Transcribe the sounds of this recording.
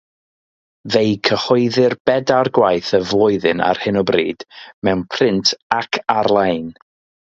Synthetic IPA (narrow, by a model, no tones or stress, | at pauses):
vejkʰəhɔɨðɪrb̥ɛdarɡwajθəvlˠʊɨðɨna̰rhɨnɔbrḭːd̥mɛwnpʰrɪntʰakʰaɾlˠajn